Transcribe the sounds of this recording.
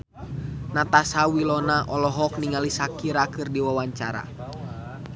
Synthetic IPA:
nat̪asawilɔnaʔɔlɔɦɔk̚niŋalisakiɾakɨrdiwawaɲt͡ʃaɾa̰

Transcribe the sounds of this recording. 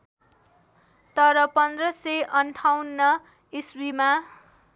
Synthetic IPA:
t̪ʌɾʌpʌnd̪rʌseʔʌnʈʰawnːʌ | iswima

